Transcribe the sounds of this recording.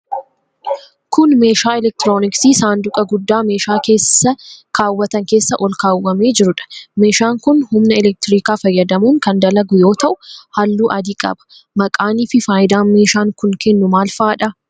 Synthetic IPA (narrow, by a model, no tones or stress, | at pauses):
kʊnme̞ːʃaːɪlɛk̚t̪ɪɾo̞ːnɪksiːsaːnd̪ʊkʼɐɡʊd̪ːaːme̞ːʃaːke̞ːsːɐkʰaːwːɐt̪ɐŋke̞ːsːɐʔɔlkaːwːɐme̞ːd͡ʒɪɾʊᶑɐ̥me̞ːʃaːŋkʊnhʊmnɐɪlɛk̚t̪ɪɾiːkaːfɐjːɐd̪ɐmuːŋkɐnd̪ɐlɐɡʊjo̞ːt̪ɐʔʊhɐlːuːʔɐd̪iːkʼɐ̰bɐ̥ | mɐkʼaːniːfɪfaːjɪd̪aːnme̞ːʃaːŋkʊŋkɛnːʊmaːlfaːᶑɐ